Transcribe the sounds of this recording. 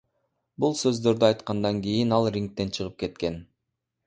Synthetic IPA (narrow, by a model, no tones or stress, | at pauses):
bulˠsø̞zd̪ø̞ɾd̪yɑjt̪qɑnd̪ɑŋɡʲijinɑlˠrʲiŋk̚t̪e̞nt͡ʃʰɯʁɯp̚ke̞t̪ke̞n